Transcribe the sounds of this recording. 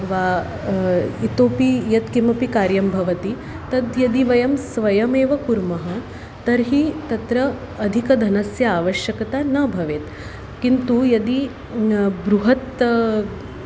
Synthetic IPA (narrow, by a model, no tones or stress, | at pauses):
ʋaː | it̪oːpijɐt̪kimɐpikaːɾjɐmbʱɐʋɐt̪i | t̪ɐd̪jɐd̪iʋɐjɐmsʋɐjɐmeːʋɐkuɾmɐɦɐ | t̪ɐɾɦit̪ɐt̪ɾɐː | d̪ʱikɐd̪ʱɐnɐsjɐaːʋɐʃjɐkɐt̪anɐbʱɐʋeːt̪ | kint̪ujɐd̪i | bɾuɦɐt̪